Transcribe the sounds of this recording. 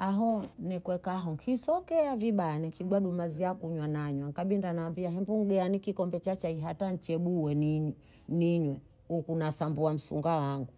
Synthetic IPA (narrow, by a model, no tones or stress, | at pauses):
aɦɔnɛkwɛkaɦɔŋkʰisɔkɛaviɓajanɛŋkʰiɡwaɗumaziakuɲwanaɲwaŋkaɓindanaːmbiaɦɛmbuŋ̩ɡɛanikikɔmbɛt͡ʃat͡ʃaiɦatant͡ʃɛɓuwɛniɲ | niɲwɛ | ukunasambuam̩sṵŋɡawaŋɡu